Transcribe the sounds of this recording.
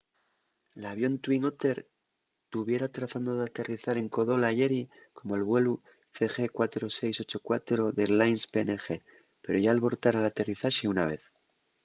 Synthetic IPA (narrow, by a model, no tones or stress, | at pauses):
laβ̞jo̞nt̪wiŋot̪e̞ɾ | t̪uβje̞ɾat̪ɾaθand̪o̞ðat̪e̞riθaɾe̞ŋko̞ðo̞laʝe̞ɾi | ko̞mo̞elβwe̞lu | θe̞xe̞kwat̪ɾo̞se̞jso̞t͡ʃo̞kwat̪ɾo̞ðelajnspenexe̞ | pe̞ɾo̞ʝaːlβo̞ɾt̪aɾalat̪e̞riθaʃiunaβ̞e̞̰θ